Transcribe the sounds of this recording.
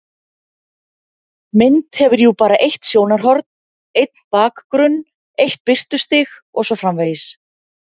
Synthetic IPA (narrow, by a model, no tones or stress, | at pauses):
mɪnt̪hɛvʏɾjupaːɾaʔejht̪sjoːwnaɾ̥ɦɔɾt̪n | ejt̪̚npaːkkɾʏnː | ejht̪̚pɪr̥t̪ʏst̪ɪx | ɔɣsɔfɾamvejɪs